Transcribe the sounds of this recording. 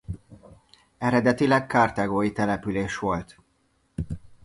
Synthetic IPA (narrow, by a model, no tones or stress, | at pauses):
ɛɾɛd̪ɛt̪ilɛkkaːrt̪aɡoːjit̪ɛlɛpyleːʃʋo̞lt̪